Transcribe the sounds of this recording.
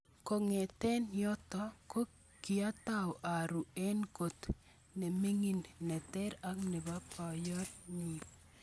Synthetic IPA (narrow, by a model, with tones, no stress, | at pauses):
ko˨ŋɛ˨t̪ɛ˦njɔ˦t̪ɔ˦ko˦ | ki˨a˦ta˦wʔa˨ɾu˨ɛ˦nko˨t̪ | nɛ˨me˦ŋi˨nːɛ˨tɛ˦ɾa˦knɛ˨ba˦pa˨jɔ˦tɲi˨p